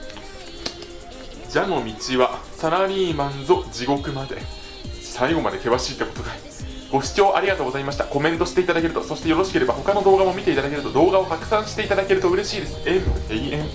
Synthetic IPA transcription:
d͡ʑano̞mʲit͡ɕiβasaɾaɾʲiːmãnzo̞d͡ʑiɡo̞kɯ̟mad̪e̞̰ | saiɡo̞ma̰d̪e̞k̪e̞βaɕiːt̪ːekot̪oɡai | ɡ̥o̞ɕi̥t͡ɕo̞ːʔaɾʲiɡat̪oːɡo̞zaimaɕi̥t̪ako̞mẽ̞nt̪o̞ɕi̥t̪e̞it̪ad̪ake̞ɾɯ̟t̪oso̞ɕi̥t̪e̞jo̞ɾo̞ɕi̥ke̞ɾe̞baɦo̞kano̞d̪o̞ːɡamo̞mʲit̪e̞it̪ad̪akeɾɯ̟t̪o̞d̪o̞ːɡao̞hakɯ̟̥sãɰ̃ɕi̥t̪e̞it̪ad̪ake̞ɾɯ̟t̪o̞ɯ̟ɾe̞ɕiːd̪e̞sɨ̥e̞mɯ̟eiẽŋ

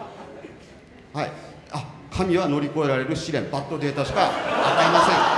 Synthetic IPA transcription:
haḭ | akʰamʲiβano̞ɾʲiko̞e̞ɾaɾe̞ɾɯ̟ɕiɾẽ̞mbat̪ːo̞d̪e̞ːt̪aːɕi̥kaat̪aimasẽ̞ŋ

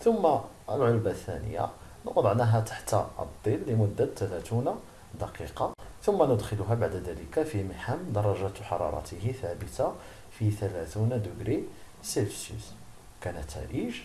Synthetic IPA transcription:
θʊmːa | əlʕolbaθːæ̰nə̰jːa̰nə̰qd̪ˤɑʕnæɦæt̪ḁħt̪ʔdd̪ˤːilːimʊd̪ːat̪ːælæt̪una | d̪ɑqiqɑt̪ʊmːænʊd̪xəlʊɦæbaʕd̪d̪æləkafiməħəmd̪ɑɾˤːɑʒæħɑ̰ɾˤɑ̰ɾˤɑ̰t̪əɦiθæbət̪a | fit̪ælæt̪und̪əɡɾi | selfsḭs | kænət̪ːæ̰ɾiʒ

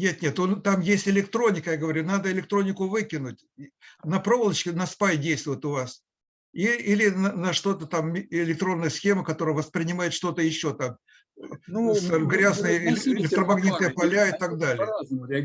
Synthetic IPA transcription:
nʲe̞t̪nʲe̞t̪ont̪amjesʲtʲɪlʲɪkt̪ɾo̞nʲɪkəjaɡəvɐɾʲunad̪əɪlʲɪk̚t̪ɾonʲɪkʊvɨkʲɪnʊt̚ʲnɐpɾo̞vəlˠət͡ɕkʲɪnɐspajʲdʲejst̪vʊjɪt̪ʊvas | iilʲɪnənəʂt̪o̞t̪ət̪amʲɪlʲɪk̚t̪ɾo̞nːəjəsxʲeməkɐt̪o̞ɾəjəvəspɾʲɪnʲɪmajɪt̪ʂt̪o̞t̪əjɪɕːo̞t̪am | sɡɾʲaznɨjəɪɪlʲɪkt̪ɾəmɐɡnʲit̪əjəpɐlʲaɪt̪aɡ̚d̪alʲɪjə

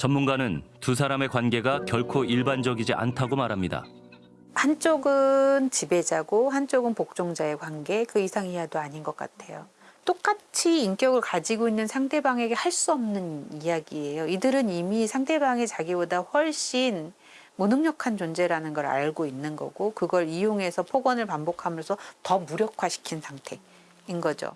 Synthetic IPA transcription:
t͡ɕʌnmunɡanɯntus̬ʰaɾame̞kwanɡe̞ɡakjʌɭkʰoiɭband͡ʑʌɡid͡ʑiʔa̰ntʰaɡomaɾɦamɲida̰ | hant͡ɕ͈oɡɯnt͡ɕibe̞d͡ʑaɡohant͡ɕ͈oɡɯnpok̚t͡ɕ͈oŋd͡ʑae̞kwanɡe̞kɯisʰaŋijaɡidoaɲinɡʌk͈a̰tʰe̞jo | t͈ok͈at͡ɕʰiːnk͈jʌɡɯɭkad͡ʑiɡoinːɯnsʰaŋtʰe̞baŋe̞ɡe̞haɭs͈uʌmnɯnijaɡie̞joidɯɾɯnimisʰaŋtʰe̞baŋit͡ɕaɡibodaɸwʌɭɕ͈in | munɯŋɲʌkʰant͡ɕond͡ʑe̞ɾanɯnɡʌɾa̰ɭɡoinːɯnɡʌ̰ɡokɯɡʌɾijoŋe̞sʰʌpʰoɡwʌnɯɭpambokʰamjʌsʰʌtʌmuɾjʌkʰwaɕʰi̥kʰinsʰaŋtʰe̞ | inɡʌd͡ʑo̰

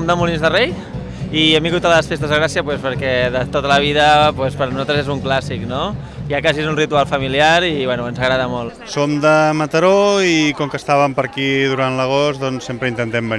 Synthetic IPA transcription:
md̪əmulinzðərej | iɛmbiŋɣut̪ələsfest̪əzðəɣɾasiəpwespəɾkɛðət̪ot̪ələβ̞iðəpwɛspəɾnuzalt̪ɾəzezuŋklasikno | iakaziezunrit̪ualˠfəmiliaɾiβwɛnuənzəɣɾaðəmolˠ | somd̪əmət̪əɾoikɔŋkəst̪aβəmpəɾkiðuɾant̪ləɣ̞osd̪ɔnsempɾəint̪ənt̪ɛmbən

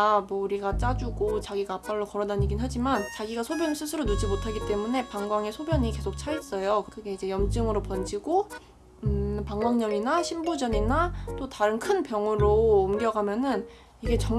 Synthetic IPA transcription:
mwʌuɾiɡat͡ɕ͈ad͡ʑuɡot͡ɕaɡiɡaːp͈aɭːokʌɾʌdaɲiɡinɦad͡ʑimant͡ɕaɡiɡasʰobjʌnisʰɯsʰɯɾonud͡ʑimotʰaɡit͈e̞mune̞paŋɡwaŋesʰobjʌɲike̞sʰok̚t͡ɕʰais͈ʌjokkɯɡe̞id͡ʑe̞jʌmd͡ʑ͈ɯŋɯɾopʌnd͡ʑiɡo | paŋwaŋɲʌɭinaɕʰimbud͡ʑʌɲinat͈otaɾɯnkʰɯnpjʌŋuɾoumɡjʌɡamjʌnɯn | iɡe̞t͡ɕʌŋ

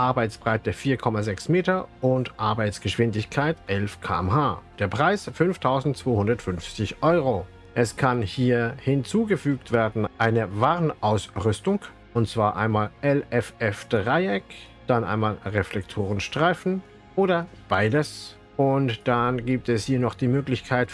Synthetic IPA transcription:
ʔaɐbaɪt͡sb̥ʁaɪtəfiːɐkʰɔmazɛksmeːtɐʔʊntʔaɐbaɪt͡sɡ̥əʃv̥ɪndɪçkʰaɪtʔɛlfkʰa̰ːɛmhaːd̥eːɐpʁ̥aɪsfʏnftʰaʊzn̩tt͡sv̥oːhʊndɐtfʏnft͡sɪçʔɔʏʁo | ʔɛskʰanhiːɐhɪnt͡suːɡəfyːktv̥eːɐdn̩ʔaɪnəvaːʁənʔaʊsʁʏstʊŋ | ʔʊntt͡sv̥aːɐʔa̰ɪnmaːlʔɛlɛfɛfd̥ʁaɪɛk | d̥anʔa̰ɪnmaːlʁɛflɛktʰoːʁənʃtʁ̥aɪfn̩ | ʔoːdɐb̥aɪdəs | ʔʊntd̥anɡiːp̚tɛshiːɐnɔχd̥iːmøːklɪçkʰaɪt

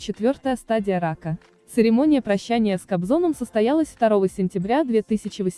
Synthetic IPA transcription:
t͡ɕɪt̪vʲo̞rt̪əjəst̪adʲɪjəɾakə | t̪sɨɾʲɪmo̞nʲɪjəpɾɐɕːænʲɪjəskɐbzo̞nəmsəst̪ɐjalˠəsʲft̪ɐɾo̞vəsʲɪnʲtʲɪbɾʲad̪vʲet̪ɨsʲɪt͡ɕɪvəsʲ

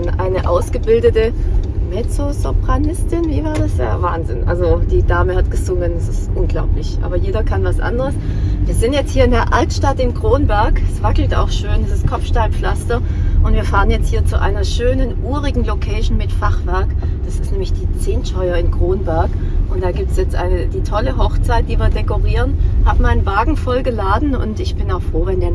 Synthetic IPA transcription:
nʔaɪnəʔa̰ʊsɡ̥əbɪldətəmɛt͡sozopʁ̥anɪstɪnviːvaːɐdasja̰ːɐvaːnzɪnʔa̰lzod̥iːdaːməhatɡ̥əzʊŋəndasɪstʔʊnɡlaʊplɪçʔa̰ːbɐjeːdɐkʰanvasʔa̰ndəʁəsviːɐzɪntjɛt͡sthiːɐɪndeːɐʔaltʃtatɪnkʁ̥oːnbɛɐkɛsv̥akl̩ta̰ʊxʃøːndasɪst̚kʰɔfʃtaːlflastɐʔʊntv̥iːɐfaːʁənjɛt͡sthiːɐt͡suʔa̰ɪnɐʃøːnənʔuːʁɪɡŋ̩lokʰɛɪʃn̩mɪtfaχv̥ɛɐkd̥asɪ̥stnɛːmlɪçd̥iːt͡seːntʃɔʏɐɪnɡʁ̥oːnbɛɐk | ʔʊntd̥aːɡiːp̚tsjɛt͡stʔa̰ɪnəd̥iːtʰɔləɦɔxt͡saɪt̚d̥iːviːɐdɛkoʁiːʁənhaːbəmaɪnnvaːɡŋ̩fɔlɡəlaːdn̩ʊ̰ntɪçb̥ɪnaʊfʁ̥oːvɛndeːɐ

